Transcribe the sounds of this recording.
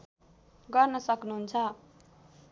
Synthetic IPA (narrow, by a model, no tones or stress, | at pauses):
ɡʌrnʌsʌknuɦunt͡sʰʌ